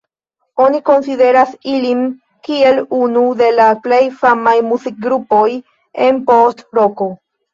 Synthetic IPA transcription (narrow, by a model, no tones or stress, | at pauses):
o̞niko̞nside̞ɾasilin | kie̞lunude̞laple̞jfamajmuzik̚ɡɾupo̞j | enpo̞stɾo̞ko̞